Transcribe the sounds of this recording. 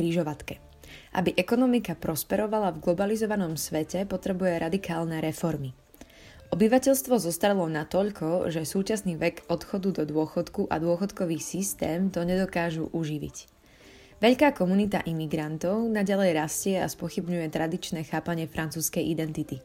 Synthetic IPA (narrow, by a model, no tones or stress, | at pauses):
kɾiʒɔʋat̪kɛ | ʔa̰biʔɛkɔnɔmikapɾɔspɛɾɔʋalavɡlɔbalizɔʋanɔmsʋɛcɛpɔt̪ɾɛbujɛɾad̪ikʰaːlnɛɾɛfɔɾmi | ʔɔbiʋacɛʎst̪ʋɔzɔst̪aɾɛlˠɔnat̪ɔʎkʰɔʒɛsuːt͡ʃasniːʋɛɡɔt̪xɔd̪ud̪ɔd̪ʊɔxɔt̪kuʔa̰d̪ʊɔxɔt̪kɔʋiːxsist̪ɛːmt̪ɔɲɛd̪ɔkaːʒṵʔuʒiʋḭc | ʋɛʎkaːkɔmunit̪a̰ʔimiɡɾant̪ɔʊnaɟalɛjɾascɪɛa̰spɔxibɲujɛt̪ɾad̪it͡ʃnɛːxaːpaɲɪɛfɾʔant͡suːskɛjʔid̪ɛnt̪it̪i